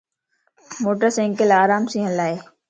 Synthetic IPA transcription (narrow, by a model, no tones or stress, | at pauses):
moːʈəɾsẽŋkəlaːɾaːmsĩɦə̃lːaːeː